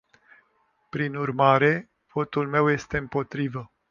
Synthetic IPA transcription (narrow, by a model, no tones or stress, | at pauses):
pɾinurmaɾe̞ | v̥o̞t̪ulme̞wje̞st̪e̞ɨmpo̞t̪ɾivə